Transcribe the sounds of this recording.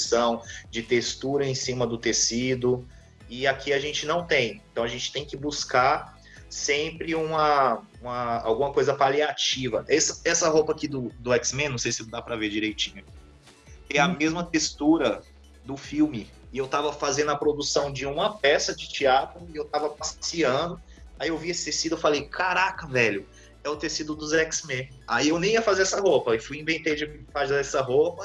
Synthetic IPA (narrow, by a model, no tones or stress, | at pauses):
sɐ̃w̃d͡ʒɪt̪est̪uɾɐẽsĩmɐd̪ʊt̪esid̪ʊ | ɪakʰiaʒẽnt͡ʃɪnɐ̃w̃t̪ẽj̃ẽt̪ɐ̃w̃ɐʒẽnt͡ʃɪ̥t̪ẽj̃kɪbuskaɾ | sẽmpɾɪũmɐ | ũmɐa̰wɡũmɐkojzɐpaliat͡ʃivɐʔɛsɐɛsɐɦopɐakid̪ʊd̪ʊɛksmẽnɐ̃w̃sejsɪnd̪apɾɐved͡ʒiɾejt͡ʃĩɲɐk | k̪ẽɐmezmɐt̪est̪uɾɐ | d̪ʊfiwmɪ | ɪewt̪avɐfazẽnd̪ʊɐpɾod̪usɐ̃w̃d͡ʒɪũmɐpɛsɐd͡ʒɪt͡ʃiat̪ɾʊɪewt̪avɐpassiɐ̃d̪ʊ | aiewviesɪ̥t̪esid̪ʊewfalejkʰaɾakɐvɛʎʊ | ɛʊt̪esid̪ʊd̪ʊzɛksmẽaiewnẽj̃iɐfazeɾɛsɐɦopɐɪfujĩvẽnt̪ed͡ʒɪfazaɛsɐɦopɐ